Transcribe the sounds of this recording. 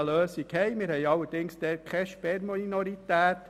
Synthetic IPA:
əløːsikhɛɪmɪɾhɛɪɑlːəɾd̥ɪŋsd̥ɛkʰχɛʃpɛmɔnɔɾitæːt

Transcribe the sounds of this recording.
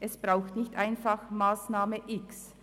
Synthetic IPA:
ʔɛsb̥ʁaʊxtnɪçtʔaɪnfaχmaːsnaːməʔɪks

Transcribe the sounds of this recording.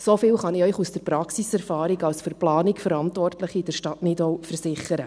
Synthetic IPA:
sofɪːlχɑnɪœʏχusd̥əɾprɑksisɛɾfɑːɾikɑlsføɾplɑːnɪkfəɾɑntʋɔrtləχiːdəɾʃtɑtnidɔwfərsɪχəɾə

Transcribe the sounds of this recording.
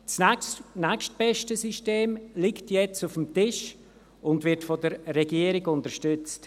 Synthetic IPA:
t͡snɛkʃt̚b̥ɛʃtəsiʃteːmlɪktjɛt͡sufəmtɪʃ | ʊndvɪɾtfɔdəɾːɛɡiːəɾɪɡʊntəɾʃtʏt͡st

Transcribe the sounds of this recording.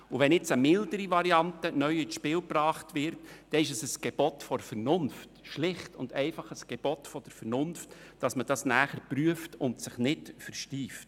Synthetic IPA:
ʊʋɛnɪt͡səmɪldəɾiʋɑɾiɑntənœʏɪʃpɪːlpɾɑːχtʋɪɾtd̥ɛɪʃəsəsɡ̥ɛb̥ɔtfɔɾfəɾnʊnftʃlɪχtʊndɛɪfɑχəsɡ̥eb̥ɔtfɔd̥əɾfɛɾnʊnftd̥ɑsməd̥ɑsnæːχəɾpryəftʊntsɪχnɪtfəɾʃtiːft

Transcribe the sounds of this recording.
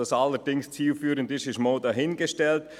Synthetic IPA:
ɑsalːəɾdɪŋst͡siːlfyːɾəndɪʃɪʃmoːdɑɦɪnɡəʃtɛlt

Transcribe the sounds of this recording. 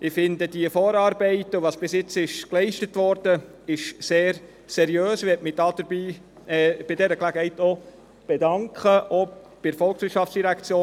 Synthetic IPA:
ɪfɪndəd̥iəfɔːɾɑːɾbeɪtuʋɑsb̥ɪsjɪt͡sɪʃklɛɪʃtətʋɔɾd̥ə | ɪʃseːɾ | sɛɾiøːsɪɛtmɪd̥ɑd̥əɾbiː | ɛb̥ɪdɛɾəklæɡəhɛɪto | b̥ɛdɑŋkχəʔo | b̥ɪfɔlˠksʋɪɾtʃɑftsd̥iɾækt͡sjoː

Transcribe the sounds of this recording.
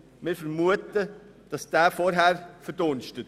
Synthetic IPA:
mɪːɾfəɾmuətə | d̥ɑsd̥æːfɔɾɦæːɾfəɾd̥onʃtət

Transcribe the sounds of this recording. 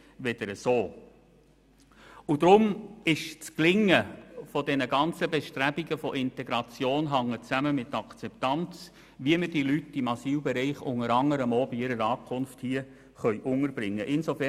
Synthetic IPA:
ʋɛd̥əɾəsoː | ud̥ɾʊmɪʃt͡sklɪŋːəfɔdɛnəɡɑnt͡səbɛʃtɾæbiɡəfɔʔɪntɛɡɾɑt͡sjoːnɦɑŋːət͡sæməmɪtɑkt͡sɛptɑnt͡s | ʋiəmədilytːɪmɑsiːlbɛɾiɪχʊ̰ŋəɾɑŋəɾəmoːbiɪɾəɾɑːkʰʊnfthiə | χœʏʔʊŋəɾbɾɪŋːəʔɪnsofɛ

